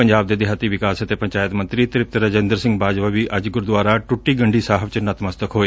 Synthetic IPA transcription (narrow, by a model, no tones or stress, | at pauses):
ɐɲd͡ʒaːb̚d̪eːd̪eɦat̪iʋɪkaːsɐt̪epɐ̃ɲt͡ʃaːjət̪mɐ̃nt̪ɾit̪ɪɾɪp̚t̪ɾəd͡ʒẽːnd̪əɾsɪ̃ŋɡbʱaːd͡ʒʋaʋiʔɐd͡ʒɡʊɾd̪ʋaːɾaʈʊʈːiːɡɐ̃ɳɖiːsaːɦəbt͡ʃənɐt̪məst̪əkɦoːeː